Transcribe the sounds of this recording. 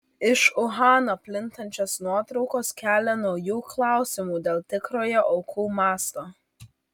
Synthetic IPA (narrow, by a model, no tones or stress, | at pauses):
ɪʃʊɦɑːnopʲlʲɪnt̪ɐnʲt͡ʃʲoːsnuɔt̪ɾɒʊkoːskʲæːlʲɛnɔʊjuːklˠɑˑʊsʲɪmuːd̪ʲeːlˠt̪ʲɪkɾoːjɛʔɔʊkʰuːmɑːst̪oː